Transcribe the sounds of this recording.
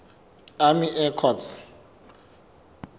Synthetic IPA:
amiʔɛkʰɔps

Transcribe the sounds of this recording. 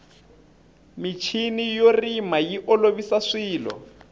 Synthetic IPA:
mit͡ʃʰinijorimajiʔɔloβisaʂiːlɔ̰

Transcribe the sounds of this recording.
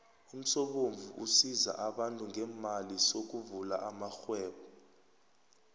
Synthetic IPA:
um̩sɔɓoɱvʱuʔusiza̰ʔaɓantʼuŋɡʱɛːmalisok̬uvula̰ʔamaxwɛːɓɔ

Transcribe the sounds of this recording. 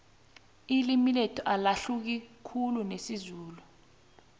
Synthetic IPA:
ilimilɛtʰɔʔalaɬuk̬ikʰulunesizuːlu

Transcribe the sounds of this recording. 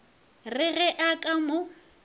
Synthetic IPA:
rɪɣɛʔakʼamʊ

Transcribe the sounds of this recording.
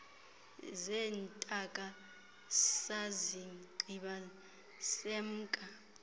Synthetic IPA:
zɛːntʼakʼa | saziɡ͡ǀʱiɓa | sem̩ːkʼa

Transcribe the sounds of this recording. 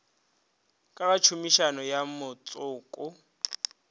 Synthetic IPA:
kʼakʼat͡ʃʰumiʃanɔjamʊt͡sʼʊːkʼʊ

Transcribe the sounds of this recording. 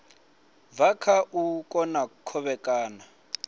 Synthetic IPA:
vakʰaʔukʼɔnakʰɔβɛkʼaːna

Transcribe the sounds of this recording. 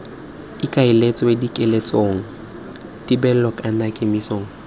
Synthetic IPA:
ɪkʼaɪlet͡sʼɔedikʼelet͡sʼoːŋ̩ | tʼibɛl̩lɔkʼanakʼemisoːŋ̩

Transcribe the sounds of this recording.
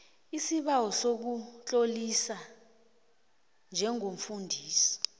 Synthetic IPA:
isiɓawɔsok̬ut͡ɬʼolisa | nd͡ʒʱɛŋom̩fundʱiːsɔ̥

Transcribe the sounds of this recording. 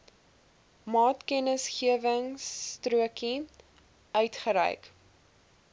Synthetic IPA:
mɑːtkɛnəsχiəvəŋstruəki | œɥtχəɾɛ̰jk

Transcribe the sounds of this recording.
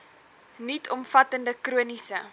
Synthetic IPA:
nitʰɔmfɐtəndəkruənisə

